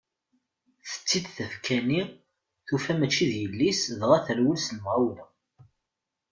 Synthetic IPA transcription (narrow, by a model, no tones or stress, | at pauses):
θə̥t͡sːid̪θəfkʰæni | θufæmæt͡ʃːiðjəlːisðʁaθəɾwəlsnəmʁawɾə